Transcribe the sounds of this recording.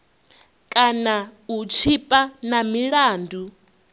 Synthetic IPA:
kʼanaut͡ʃʰipʼanamiɺaːndu

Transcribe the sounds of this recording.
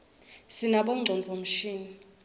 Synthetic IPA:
sinaɓɔŋ͡ǀʱɔnd͡ɮʱom̩ʃiːni

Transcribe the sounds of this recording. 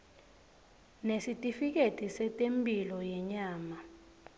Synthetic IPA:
nesitʼifik̬etʼisɛtʼempʼilɔjɛɲaːma

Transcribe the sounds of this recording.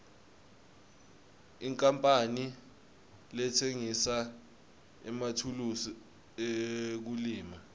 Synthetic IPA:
iŋkʼampʼani | lɛtʰeŋisa | ɛmatʰulusi | ek̬uliːma

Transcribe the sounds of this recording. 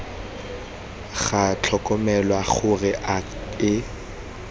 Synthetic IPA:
ɣat͡ɬʰɔkʼɔmɛlwaχʊrɪʔa | ɪ

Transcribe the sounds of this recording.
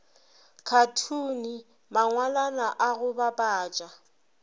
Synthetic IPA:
kʰatʰuːni | maŋwalanaʔaɣʊbabʼaːt͡ʃʼa

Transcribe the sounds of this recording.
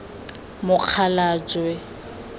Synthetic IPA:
mʊq͡χʰalaːt͡ʃʼwɛ

